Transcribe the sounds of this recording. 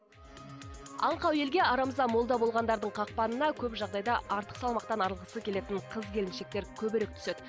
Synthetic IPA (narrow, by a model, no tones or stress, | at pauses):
ɑɴqɑwe̞lɡʲe̞ɑɾɑməzɑmo̞lˠd̪ɑbo̞lˠʁɑnd̪ɑɾd̪əɴqʰɑq̚pɑnənɑkʲʰɵpʒɑʁd̪ɑjd̪ɑɑɾt̪ə̥qsɑlˠmɑq̚t̪ɑnɑɾəlˠʁəsəkʲʰe̞le̞t̪ɪɴqʰəzkʲʰe̞lɪnʃe̞k̚t̪eɾkʲʰɵbɪɾe̞k̚t̪ʰʏ̥sed̪